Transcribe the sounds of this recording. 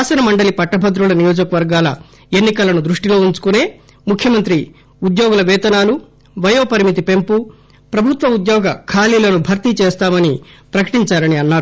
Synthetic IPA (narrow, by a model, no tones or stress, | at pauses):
aːsɐnɐmɐɳɖɐlipɐʈːɐbʱɐd̪ɾulɐnijoːd͡ʒɐkɐʋɐɾɡaːlɐ | enːikɐlɐnud̪ɾuʂʈilo̞ːuɲt͡ʃu̥kune̞ː | mukʰjɐmɐnt̪ɾi | ud̪joːɡulɐʋɛːt̪ɐnaːlu | ʋɐjoːpɐɾimit̪̬ipe̞mpu | pɾɐbʱut̪ʋɐud̪jɔːɡɐkʰaːliːlɐnubʱɐɾt̪it͡ʃɛːst̪aːmɐnipɾɐkɐ̥ʈiɲt͡ʃaːɾɐniɐnːaːɾu